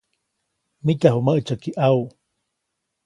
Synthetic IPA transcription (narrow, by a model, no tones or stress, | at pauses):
mit̪aɦuməʔt͡ʃəkiʔau